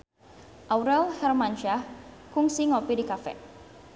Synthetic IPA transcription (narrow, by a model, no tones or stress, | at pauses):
ʔawɾɛlhɛrmant͡ʃakuŋsiŋopidikafɛ̰